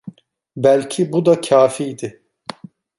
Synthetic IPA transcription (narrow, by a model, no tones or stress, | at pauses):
bælʲcʰibud̪acʰaːfijd̪ɪ